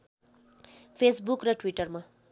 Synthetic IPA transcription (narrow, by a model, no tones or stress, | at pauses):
pʰesbukrʌʈwiʈʌrma